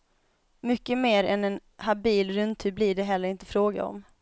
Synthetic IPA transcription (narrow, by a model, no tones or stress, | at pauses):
mʏkːəmeːɾɛnɛnhabiːlɾɵnt̪ʰʉːblɪɖɛɦɛlːəɾɪnt̪əfɾoːɡa̰ɔ̰m